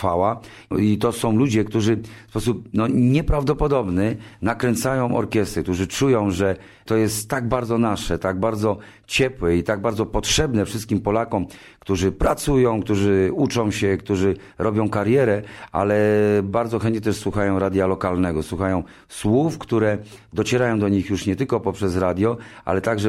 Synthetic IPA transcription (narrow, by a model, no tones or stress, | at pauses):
fawa | it̪ɔsɔ̃w̃lud͡ʑɛkt̪uʐɘfspɔsup̚nɔɲɛpɾavd̪ɔpɔd̪ɔbnɘnakɾɛnt̪sajɔ̃w̃ʔɔ̰ɾkʲjɛst̪ɾɛk̚t̪uʐɘt͡ʂujɔ̃w̃ʐɛ | t̪ɔjɛst̪ːaɡbaɾd̪zɔnaʂɛt̪aɡbaɾd̪zɔ | t͡ɕɛpwɛit̪aɡbaɾd̪ɔpɔtʂɛbnɛfʂɘst̪̚kʲimpɔlakɔm | kt̪uʐɘpɾat̪sujɔ̃w̃kt̪uʐɘut͡ʂɔ̃w̃ɕɛkt̪uʐɘ | ɾɔbʲjɔ̃w̃kaɾjɛɾɛa̰lɛbaɾd̪zɔxɛnt̪ɲɛt̪ɛʂswuxajɔ̃w̃ɾad̪ʲjalɔkalnɛɡɔswuxajɔ̃w̃ | swufkt̪uɾɛd̪ɔt͡ɕɛɾajɔ̃w̃d̪ɔɲixjuʂɲɛt̪ɘlkɔpɔpʂɛzɾad̪ʲjɔʔa̰lɛt̪aɡʐɛ